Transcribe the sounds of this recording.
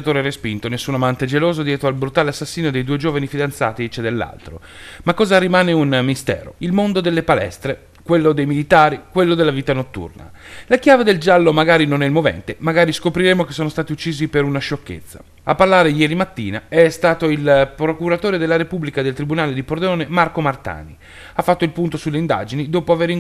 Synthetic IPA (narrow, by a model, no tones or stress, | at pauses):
at̪oːɾeɛrespint̪onesːunamant̪ed͡ʒeloːzod̪jɛːt̪ɾoalbɾut̪aːleasːasːiːnod̪ejd̪uːed͡ʒoːvanifid̪ant̪sa̰ːt̪it͡ʃed̪elːa̰lt̪ɾo̰ | makːɔːzaɾimaːneunmist̪ɛ̰ːɾo̰ilmond̪od̪elːepalɛ̰st̪ɾe | kwelːod̪ejmilit̪aːɾikwelːod̪elːaviːt̪anot̪ːṵrna̰lakjaːved̪eld͡ʒalːomaɡaːɾinonɛilmovɛ̰nt̪emaɡaːɾiskopɾiɾemokesːoːnost̪aːt̪iut͡ʃːiːzipeɾunaʃokːḛt̪sːa̰ | apːarlaːɾejɛːɾimat̪ːḭːnaɛst̪aːt̪oilpɾokuɾat̪oːɾed̪elːaɾepublikad̪elt̪ɾibunaːled̪ipord̪eoːnemarkomart̪a̰ːni | afːat̪ːoilpunt̪osulːeind̪a̰ːd͡ʒinid̪oːpoaveɾiŋ